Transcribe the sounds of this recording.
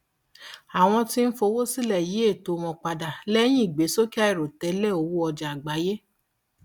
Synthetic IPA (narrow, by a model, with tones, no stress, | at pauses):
a˨w̃ɔ̃˧ti˦n̩˦fo˧wo˦si˦lɛ˦˨ji˨˦e˦˨to˨˧mɔ̃˧k͡pa˧da˨lɛ˦j̃ĩ˦˨ɡ͡be˨˦so˦ki˦a˦i˦˨ɾo˨tɛ˨˦lɛ˦˨o˧˦wu˦ɔ˧d͡ʒa˨ɡ͡ba˨˦je˦